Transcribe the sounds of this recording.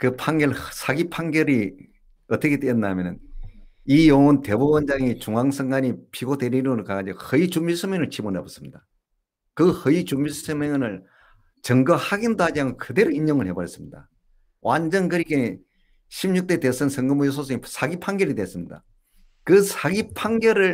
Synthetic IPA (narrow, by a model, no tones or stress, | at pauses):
kɯpʰaŋɡʌɭsʰaɡipʰaŋɡjʌɾi | ʌt͈ʌkʰetwejʌnːamjʌnɯn | ijoŋonte̞bubʌnd͡ʑaŋit͡ɕuŋaŋsʰɯŋɡaɲipʰiɡodwe̞ɾiɾɯŋɯɭkaɡad͡ʑiɡohɯit͡ɕumisʰɯmeŋɯɭt͡ɕʰibonebʌs͈ɯ̥mɲida | kɯhɯit͡ɕumisʰɯmeŋnɯɭ | t͡ɕʌŋɡʌhaɡindohad͡ʑiɦamjokɯde̞ɾoiɲjoŋɯɭhe̞boɾjʌs͈ɯmɲida̰ | wʔand͡ʑʌnkɯɾik͈e | ɕʰimɲuk̚t͈etes͈ɯnsʰʌŋɡɯmujos̬ʰos̬ʰɯŋisʰaɡipʰaŋɡjʌɾidwes͈ɯmɲida̰ | kɯsʰaɡipʰaŋɡjʌɾɯɭ